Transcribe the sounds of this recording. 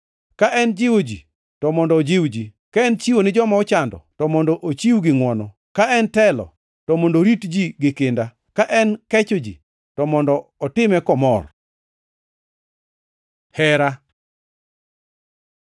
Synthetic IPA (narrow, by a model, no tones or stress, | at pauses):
kaʔɛnd͡ʒɪwod͡ʒi | tɔmɔndɔːd͡ʒɪwd͡ʒi | kaɛnt͡ʃiwonɪd͡ʒɔmaɔt͡ʃandɔ̰tɔmɔndɔʔot͡ʃiwɡɪŋwɔnɔ | kaɛntɛlɔ̰ | tɔmɔndoɾitd͡ʒiɡɪkɪnda | kaʔɛnkɛt͡ʃod͡ʒḭ | tɔmɔndɔɔtɪmɛkɔmɔr | hɛɾa